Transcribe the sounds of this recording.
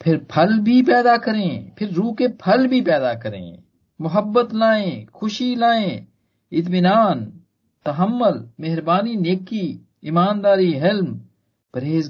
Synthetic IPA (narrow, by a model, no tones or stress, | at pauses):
pʰɪɾpʰəlbʱipɛːd̪akəɾẽːpʰɪɾːuːkepʰəlbʱipɛːd̪akəɾḛ̃ː | mʊɦəbːət̪laːẽːxʰʊʃilaːẽː | ɪt̪̬mɪnaːn | t̪ɐɦəmːʊlmeɦɾbaːnineːki | ɪmaːnd̪aːɾiɦɪlm | pɐɾɦeːz